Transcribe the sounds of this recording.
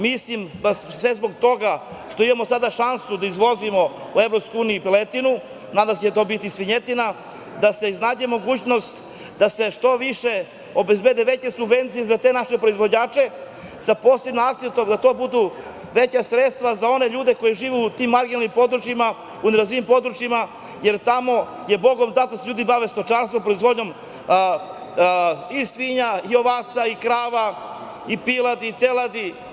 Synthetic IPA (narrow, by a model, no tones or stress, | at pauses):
mislimbasʋe̞zboɡ̚t̪o̞ɡa | ʃt̪oimamo̞sad̪aʃansud̪aizʋo̞zimo̞ | uevɾo̞pskojuːnijupelet̪inu | nad̪amset͡ɕet̪o̞bit̪isʋiɲet̪ina | d̪ase̞znaːd͡ʑemo̞ɡuːt͡ɕno̞st̪ | d̪ase̞ʃt̪o̞ʋiʃe | o̞bezbe̞d̪eʋe̞t͡ɕe̞subʋe̞nt̪sijezat̪e̞naʃepɾo̞izʋo̞d͡ʑaːt͡ʃe̞ | saposebnoakt̪seat̪omd̪at̪o̞bud̪u | ʋe̞t͡ɕasɾet̪st̪ʋazao̞ne̞ʎuːd̪e̞ko̞jeʒiːʋeut̪iːmːaɾɡinalnimpo̞d̪ɾut͡ʃjima | uneɾazʋiimpo̞d̪ɾut͡ʃjima | je̞ɾt̪amo̞ | je̞bo̞ɡo̞md̪at̪seʎuːd̪ibaʋest̪o̞t͡ʃaɾst̪ʋopɾo̞izʋo̞d̪ɲo̞m | isʋiɲaio̞ʋaːt̪saikɾaːʋa | ipilˠad̪it̪elˠad̪i